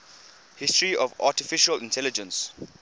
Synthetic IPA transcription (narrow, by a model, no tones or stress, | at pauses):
hɪstɹiɔva̰tifiʃəlĩntʰɛlid͡ʒə̃ns